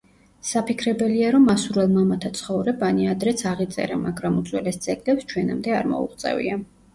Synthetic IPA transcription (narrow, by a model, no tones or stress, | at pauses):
sapikʰɾɛbɛliaɾɔmasuɾɛlˠmamat̪ʰat̪sʰχɔvɾɛbaniad̪ɾɛt̪sʰaʁit̪sʼɛ̰ɾɛmaɡɾamut̪sʼwɛlɛst̪sʼɛkʼlɛpst͡ʃʰwɛna̰md̪ɛa̰ɾmɔ̰ṵχʼt̪sʼɛ̰vḭa